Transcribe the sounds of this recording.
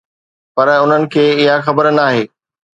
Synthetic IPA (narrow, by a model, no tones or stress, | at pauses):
pɐɾʊn̤ənɪ̆kʰeːɪɦaxɐbəɾnaːɦeː